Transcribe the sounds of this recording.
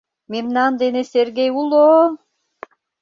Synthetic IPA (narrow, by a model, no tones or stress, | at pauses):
memnand̪eneseɾɡejulˠo